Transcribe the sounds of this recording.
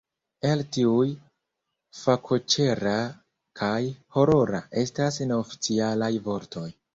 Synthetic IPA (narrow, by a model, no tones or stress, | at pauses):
eltiuj | fakʰo̞t͡ʃe̞ɾa | kʰajho̞ɾo̞ɾa̰ʔe̞stasne̞ofi̥t͡sialajvo̞ɾtʰo̞j